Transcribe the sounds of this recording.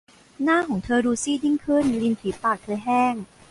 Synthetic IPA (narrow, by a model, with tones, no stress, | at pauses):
naː˥˩kʰɔː˩˦ŋt̪ʰɤː˧ɾuː˧siː˥˩di˥˩ŋkʰɯ˥˩nli˧nt̪ʰiː˩˦paː˨˩k̚t̪ʰɤː˧jɦɛː˥˩ŋ